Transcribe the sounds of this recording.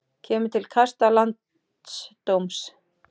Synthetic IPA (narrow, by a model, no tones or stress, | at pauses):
cʰɛːmʏt̪ʰɪlkʰast̪alant̪ | st̪owms